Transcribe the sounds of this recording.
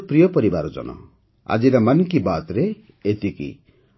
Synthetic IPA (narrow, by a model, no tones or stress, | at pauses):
pɾijɔpɔɾibaɾɔd͡ʒɔ̰nɔ̰ | a̰d͡ʒiɾamanŋkibat̪ɾe | et̪ikḭ